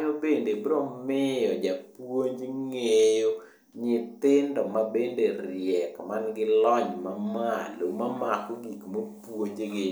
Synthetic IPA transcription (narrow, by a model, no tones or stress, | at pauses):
ɲobendebɾɔmɪjɔd͡ʒapwoɲd͡ʒŋejo | ɲɪt̪ɪndɔmabenderɪjɛkmanɡɪlɔɲmamalomamakoɡikmopwoɲd͡ʒeɡɪ